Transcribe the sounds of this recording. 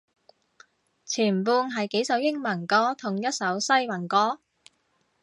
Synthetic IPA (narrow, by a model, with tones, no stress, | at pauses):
t͡sʰiː˨˩mpuː˧nɦɐ˨jke˨˥jsɐ˨˥wjɪ˥ŋmɐ˨˩nkɔː˨˥t̪ʰʊ˨˩ŋjɐ˥t̚sɐ˨˥wsɐ˥jmɐ˨˩nkɔː˨˥